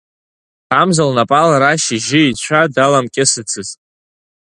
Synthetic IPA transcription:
amzalnapʼalaɾaʃiʒɪit͡ɕʷʰadalamkʲʼɪsɨt͡sʰɨzʼ

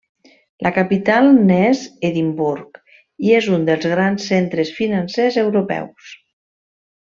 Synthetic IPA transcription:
lʔəkapit̪alˠnɛzeðimbuɾk | iezund̪əlˠzɣɾansːent̪ɾesfinansezewɾupɛ̰ws

